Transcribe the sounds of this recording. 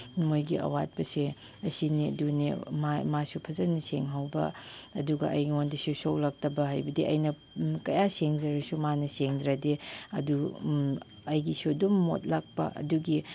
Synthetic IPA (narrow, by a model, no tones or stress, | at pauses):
mojɡiʔɐ̰wat̚pɐse | ɐsiniɐ̰dunḭmamasupʰɐzɐniseŋɦawbɐ̰ɐduɡɐ̰ʔɐ̰jɡiondisusowlak̚tɐbɐɦajbɐdiʔɐ̰jnɐ | kɐjaseŋzɐɾɐsumanɐseŋdɾɐdeɐ̰du | ɐjɡisudumːo̰t̚lak̚pɐ̰ʔɐ̰duɡi